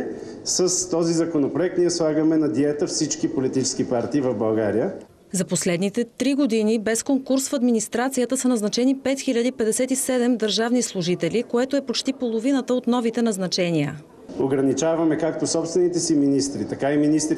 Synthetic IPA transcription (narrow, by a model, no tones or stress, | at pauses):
səst̪ɔzizɐkonopɾoɛkt̪niɛslˠaɡəmɛnɐd̪iɛt̪əfsit͡ʃkipolit̪it͡ʃɛ̥sk̟ipaɾt̪iːvɐvbɐlˠɡaɾijə | zɐposlɛd̪nit̪ɛt̪ɾiɡod̪inibɛskoŋkuɾsfɐd̪minist̪ɾat̪sijət̪əsɐnɐznɐt͡ʃɛnipɛt̪xilʲəd̪ipɛd̪ɛsɛt̪isɛd̪ɛmd̪əɾʒavnislˠʊʒit̪ɛlikoɛt̪oɛpot͡ʃt̪ipolˠovinət̪əot̪nɔvit̪ɛnɐznɐt͡ʃɛniə̰ | oɡɾɐnit͡ʃavɐmɛkak̚t̪osɔpst̪vɛnit̪ɛsiminist̪ɾit̪ɐkaiminist̪ɾ